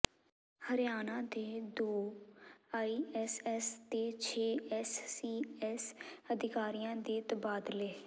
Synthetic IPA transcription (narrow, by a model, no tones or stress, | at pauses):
həɾɪjaːnãːd̪eːd̪oː | aːiːɛsɛːst̪eːt͡ʃʰeːɛːsiːɛːsəd̪ɪkaːɾijãːd̪eːt̪əbaːd̪leː